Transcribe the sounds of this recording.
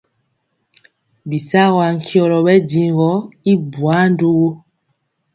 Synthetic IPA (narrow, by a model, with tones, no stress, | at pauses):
bi˨sa˦ɣwa˨ŋ̩˨kʰjɔ˨lɔ˨ɓɛ˦di˨ŋ˨ɡɔ˨˦i˦bwa˨˦n˦du˦ɣo˦